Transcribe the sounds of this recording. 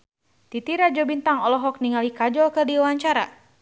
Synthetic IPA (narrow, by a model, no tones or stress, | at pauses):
t̪it̪iɾad͡ʒɔbint̪aŋɔlɔɦɔk̚niŋalikad͡ʒɔlkərdiwaɲt͡ʃaɾa